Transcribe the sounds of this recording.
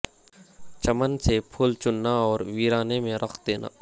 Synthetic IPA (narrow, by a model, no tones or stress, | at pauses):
t͡ʃəmənsepʰʊlt͡ʃʊnːaɔːɾʋiːɾaːnemẽɾɐxʰd̪eːna̰ː